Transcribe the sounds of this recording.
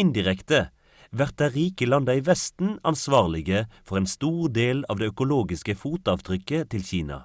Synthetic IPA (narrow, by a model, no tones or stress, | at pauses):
ɪnd̪ɪʁɛkt̪ə | ʋæʁt̪əʁiːkəlɑnd̪əiːʋɛst̪n̩ɑ̰nsʋɑːʁlɪɡəfɔʁeːnst̪uːʁd̪eːlɑːʋd̪eːœkʊloːɡɪskəfuːt̪ɑːʋt̪ʰʁʏkːət̪ʰɪlçiːnɑ̰